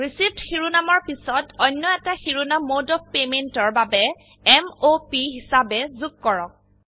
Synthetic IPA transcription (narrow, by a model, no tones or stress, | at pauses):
ɹisiftxiɹunamɔɹpisɔtɔjnːɔɛtaxiɹunamodɔf̚pementɔɹbabɛ | ɛmopiɦisabɛzuɡ̚kɔɹɔk̚